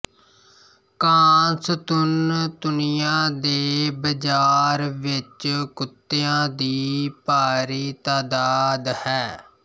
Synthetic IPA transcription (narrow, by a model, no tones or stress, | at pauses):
kãːst̪ʊnd̪ʊnɪjãːd̪eːbəd͡ʒaːɾʋɪt͡ʃkʊt̪ːeːãːd̪iːpaːɾiːt̪aːd̪aːd̪hɛː